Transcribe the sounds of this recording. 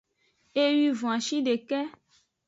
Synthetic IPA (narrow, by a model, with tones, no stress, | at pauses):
e˦ɥi˦vɔ̃˨ã˨ʃi˦ɖe˨kɛ˦